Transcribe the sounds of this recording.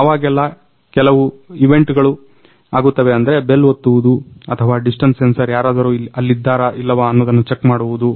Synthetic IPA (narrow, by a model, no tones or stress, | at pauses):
aːʋaːɡɛlːɐ | kɛlɐʋuiʋe̞ɳʈɡɐɭu | aːɡut̪ːɐʋe̞ɐnd̪ɐɾe̞be̞lːot̪ːuʋud̪uɐt̪ʰɐʋaːɖisʈɐnssensɐɾjaːɾaːd̪ɐɾuɐlːid̪ːaːɾɐʔilːɐʋaːɐnːoːd̪ɐnːut͡ʃekmaːɽuʋud̪u